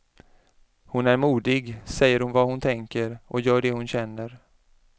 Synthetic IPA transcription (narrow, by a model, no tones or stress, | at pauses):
hʊnæɾmuːd̪ɪɡsɛjːəɾhʊnvahʊnt̪ʰɛŋkəɾʔɔjœːɖɛhʊnɕɛnːəɾ